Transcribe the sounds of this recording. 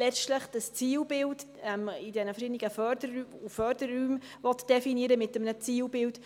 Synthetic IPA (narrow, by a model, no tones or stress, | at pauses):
lɛt͡ʃtləχd̥əst͡siːlbɪld | ɛmɪdɛnəfəʃinɪɡəfœdəɾyufœɾdərːyːm | vɔt̪d̥ɛfiniəɾəmɪtəmnət͡siːlbɪlt